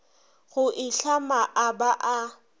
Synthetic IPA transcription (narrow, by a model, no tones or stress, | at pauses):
ɣʊʔɪɬamaʔabaʔa